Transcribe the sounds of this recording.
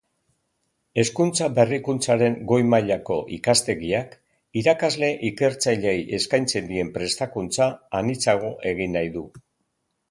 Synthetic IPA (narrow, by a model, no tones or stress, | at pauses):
e̞skunt͡sabe̞rikunt͡saɾe̞ŋɡo̞jmaʎako̞ʔikast̪e̞ɣiak | iɾakazle̞ʔike̞ɾt͡saʎe̞jʔe̞skajnt͡se̞nd̪ie̞mpɾe̞st̪akunt͡saːnit͡saɣ̞o̞ʔe̞ɣ̞inːajðu